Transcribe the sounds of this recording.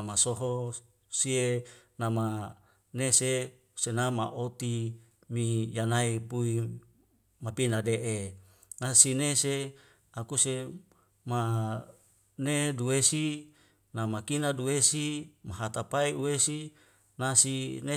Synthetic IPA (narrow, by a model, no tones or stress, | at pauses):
masoɦo | sienama | nese | senamaʔot̪i | mijanaipui | mapinadeʔe | nasinese | akuse | ma | neduwesi | namakinaduwesimaɦat̪apaiuwesi | nasine